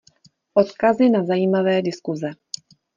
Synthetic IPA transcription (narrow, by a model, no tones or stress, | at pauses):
ʔo̞t̪kazɪnazajiːmavɛːdɪskuzɛ